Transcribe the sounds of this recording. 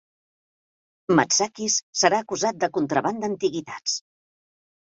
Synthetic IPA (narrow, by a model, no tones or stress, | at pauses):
mə̰t͡sakisːəɾaːkuzat̪̚d̪əkunt̪ɾəβand̪ənt̪iɣit̪at͡s